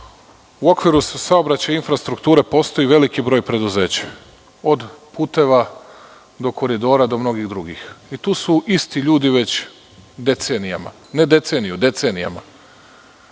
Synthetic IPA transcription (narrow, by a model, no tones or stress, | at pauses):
uo̞kʋiɾussaobɾat͡ɕajinfɾast̪ɾukt̪uːɾe̞po̞ːst̪o̞jiʋe̞likibɾo̞ːjpɾe̞d̪uze̞ːt͡ɕḁ | o̞d̪puːt̪e̞ʋa | d̪o̞kʰo̞ɾid̪o̞ːɾad̪o̞mno̞ɡiɣd̪ɾuɡixit̪uːsuʔist̪iʎuːd̪iʋe̞t͡ɕ | d̪e̞t̪senija̰ma̰ | ne̞d̪e̞t̪se̞nijud̪e̞t̪senija̰ma̰